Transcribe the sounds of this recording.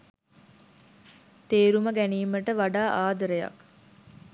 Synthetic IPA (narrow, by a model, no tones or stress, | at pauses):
t̪eːɾuməɡæniːməʈəʋaɖaːʔaːd̪əɾəjɐ̰k